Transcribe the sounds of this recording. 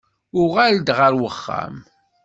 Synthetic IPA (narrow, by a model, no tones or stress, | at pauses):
ʊʁæld̪ʁəɾwəχːa̰m